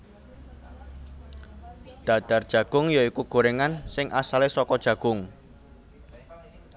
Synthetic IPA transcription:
d̪̥a̤d̪̥a̤rd̥ʒ̥ä̤ɡ̥ʊŋjɔikuɡ̥o̤ɾeŋansɪŋʔasalesɔkɔd̥ʒ̥ä̤ɡ̥ʊŋ

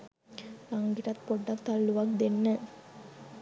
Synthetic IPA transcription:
lɐŋɡiʈɐt̪poɖːɐkt̪ɐlːuʋɐk̚d̪enːə

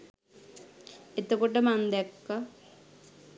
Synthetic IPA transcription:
et̪okuʈəmand̪ɛkːa

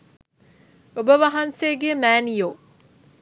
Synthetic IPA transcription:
obəʋaɦansejəɡejəmæːnijoː

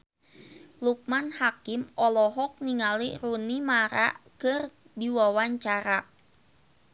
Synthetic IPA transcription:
luk̚manhakɪmɔlɔɦɔk̚niŋalirunimaɾa̰ʔkər | diwawaɲt͡ʃaɾa

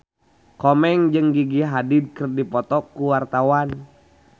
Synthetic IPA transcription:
kɔmɛŋd͡ʒɨŋɡiɡiɦadid̪̚kərdipɔt̪ɔkːuwart̪awan

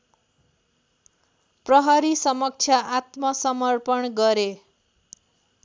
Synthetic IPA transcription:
prʌɦʌɾisʌmʌk̚t͡sʰjʌʔat̪mʌsʌmʌrpʌnɡʌɾe

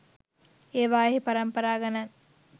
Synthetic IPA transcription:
eːʋaːɦipaɾɐmpɐɾaːɡɐnɐn

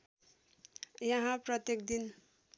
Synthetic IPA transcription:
jʌɦãpɾʌt̪jekd̪in

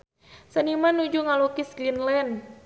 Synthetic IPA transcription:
sənimanud͡ʒuŋalukisɡinlɛn

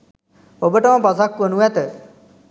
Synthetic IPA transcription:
obəʈəməbasakːʋənuʋæt̪ə

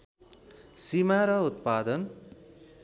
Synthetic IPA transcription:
simaɾʌut̪̚pad̪ʌn

